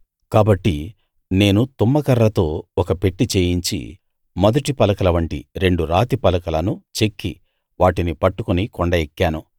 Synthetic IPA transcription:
kaːbɐʈːi | ne̞ːnut̪umːɐkɐɾːɐt̪o̞ːɔkɐpe̞ʈːit͡ʃeːjiɲt͡ʃḭ | mɐd̪ɐʈipɐlɐkɐlɐʋɐɳʈḭɾe̞ɳɖuɾaːt̪ipɐlɐkɐlɐnut͡ʃe̞kːḭ | ʋaːʈinipɐʈːukunikɔɳɖɐekːaːnu

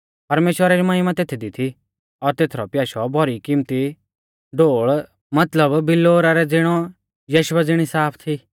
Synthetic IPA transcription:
pɐɾmeːʃwəɾaɾimaːɪmãt̪eːt̪ʰid̪it̪ʰi | ɔɾt̪eːt̪ʰɾɔpjaːʃɔbʱɔɾikimt̪i | ɖoːɭ | mɐt̪ləbbɪlːoːɾaɾɛd͡zɪɽ̃ɔ | jɐʃwɛd͡zɪɽ̃isaːpʰt̪ʰi

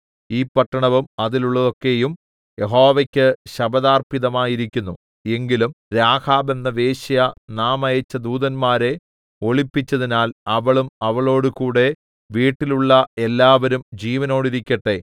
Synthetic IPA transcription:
iːpɐʈːɐɳɐʋumɐðiluɭːɐðo̞kːe̞jum | jeɦo̞ːʋɐkʲːɨɕɐbɐðaːrpiðɐmaːjiɾikʲːunːu | e̞ŋɡilumɾaːkʰaːbe̞nːɐʋe̞ːɕɐjɐnaːmɐjɐt͡ɕːɐd̪uːðɐnmaːɾe̞ | o̞ɭipːit͡ɕːɐðinaːlɐʋɐɭumɐʋɐɭo̞ːɽukuːɽe̞ | ʋiːʈːiluɭːɐelːaːʋɐɾumd͡ʑiːʋɐno̞ːɽiɾikʲːɐʈːe̞

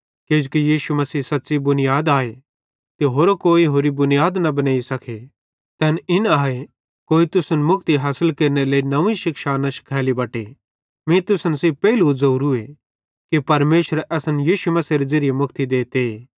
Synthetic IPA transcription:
keːd͡ʒokijiːʃumɐsiːsɐtːsibʊnɪjaːd̪aːe | t̪eɦoːɾokoːiɦoːɾibʊnɪjaːd̪nɐbɐnaːisɐkʰe | t̪ɛːnɪnaːe | koːit̪ʊsənmʊk̚t̪iɦaːsəlkɐɾneleːinɐʋ̃ĩʃɪkʃaːnaʃɪ̥kʰaːlibɐʈe | mĩt̪ʊsənseːb̚pɛɦɪlud͡zɐuɾue | kipɐɾmeːʃəɾʔɛːsənjiːʃumɐsiːɾed͡zɐɾɪjemʊkʰt̪id̪eːt̪eeː

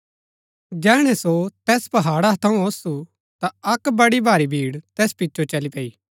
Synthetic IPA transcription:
d͡ʒɛːɽ̃ɛsot̪ɛːspɐɦaːɽat̪ʰɐũosu | t̪aɐkbɐɽibʱaːɾibʱiːɽt̪ɛːspɪtːʃʰot͡ʃɐlipɐiː

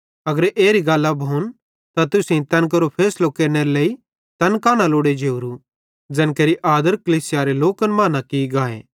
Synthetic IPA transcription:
ɐɡəɾʔeːɾiɡaːlːabʱoːn | t̪at̪ʊsĩt̪ɐ̃nk̬ɐɾopʰeːslokeːɾneɾeleːi | t̪ɐnkaːɽ̃aloːɽed͡ʒeuɾu | d͡ʒɐnkeːɾiʔaːd̪əɾkɐliːsɪjaɾeloːkənmaːnakiɡaːḛː

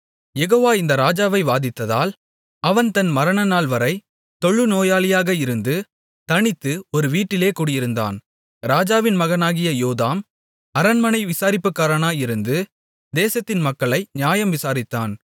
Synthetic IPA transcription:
jɛɣoːʋaːɪnd̪ɐɾaːd͡ʒaːʋɐɪʋaːðɪt̪ːɐða̰ːl | ɐʋɐnt̪ɐnmɐɾɐɳɐnaːlʋɐɾɐɪ | t̪ɔɭːɯnoːjaːlɪjaːɣɐɪɾɯnd̪ɯ | t̪ɐɳɪt̪ːɯɔɾɯʋiːʈːɪleːkuːɽɪjɪɾɯnd̪a̰ːn | ɾaːd͡ʒaːʋɪnmɐɣɐnaːɣɪjɐjoːðaːm | ɐɾɐnmɐnɐɪʋɪsaːɾɪpːɯkːaːɾɐnaːjɪɾɯnd̪ɯ | d̪eːsɐt̪ːɪnmɐkːɐɭɐɪnjaːjɐmʋɪsaːɾɪt̪ːaːn

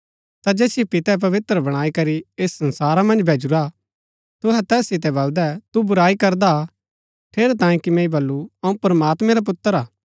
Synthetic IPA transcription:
t̪ad͡ʒɛːsjepɪt̪ɛp̬ɐʋɪt̪ɾəbɐɽ̃aːikɐɾieːsːɐ̃nsaːɾamɐ̃nd͡ʒbʱeːd͡ʒuɾa | t̪ʊɦɛt̪ɛːsːɪt̪̬ɛbɐld̪ɛt̪ubʊɾaːikɐɾd̪a | ʈʰeːɾɛt̪ãːĩkimɛ̃ːibɐlːuɐũpɾɐmaːt̪mɛ̃ɾap̬ʊt̪ːəɾaː

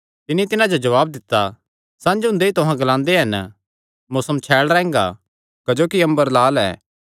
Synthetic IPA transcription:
t̪ɪnit̪ɪnãd͡ʒod͡ʒɐʋaːb̚d̪ɪt̪ːa | sãːd͡ʒɦʊ̃nd̪eit̪ʊɦãɡɐlãːnd̪eɦɐn | mʊːsəmt͡ʃʰɛːɭɾɛ̃ːŋɡa̰ | kɐd͡ʒoːkiɐ̃mbəɾlaːlɛ̰ː

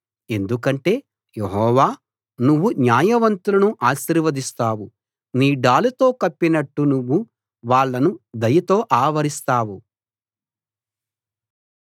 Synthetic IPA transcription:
e̞nd̪ukɐɳʈe̞ː | jeɦɔːʋaː | nuʋːunjaːjɐʋɐnt̪ulɐnuʔaːʃiɾʋɐd̪ist̪aːwu | niːɖaːlut̪o̞ːkɐpːinɐʈːunuʋːu | ʋaːɭːɐnud̪ɐjɐt̪o̞ːʔaːʋɐɾist̪aːwu

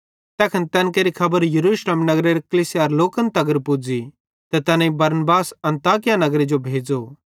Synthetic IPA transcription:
t̪ɛːkʰənt̪ɛːnk̬eɾikʰɐbəɾjɐɾuːʃleːmnɐɡɾeɾekɐlisjaɾloːkə̃nt̪ɐɡəɾpʊd͡zi | t̪ɐt̪ɐnãĩbɐɾnbaːsɐ̃nt̪aːkɪjanɐɡɾed͡ʒobʱeːd͡ʒo

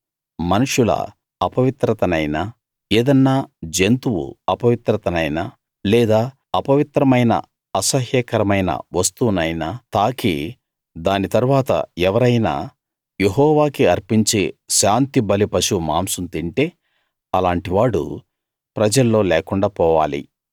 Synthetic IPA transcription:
mɐnuʂulɐ̰ | ɐpɐʋit̪ɾɐt̪ɐnɐjna | eːd̪ɐnːaːd͡ʒent̪uwṵɐpɐʋit̪ɾɐt̪ɐnɐjna | lɛːd̪aː | ɐpɐʋit̪ɾɐmɐjnɐ̰ | ɐsɐɦjɐkɐɾɐmɐjnɐ̰ʋɐst̪unɐjnat̪aːkḭ | d̪aːnit̪ɐɾuʋaːt̪ɐ̰ɛʋɐɾɐjna̰ː | jeɦɔːʋaːkiɐɾpiɲt͡ʃeːʃaːnt̪ibɐlipɐʃumaːmsunt̪iɳʈe̞ː | ɐlaːɳʈiʋaːɽṵ | pɾɐd͡ʒɐlːo̞ːlɛːkuɳɖaːpɔːʋaːlḭ

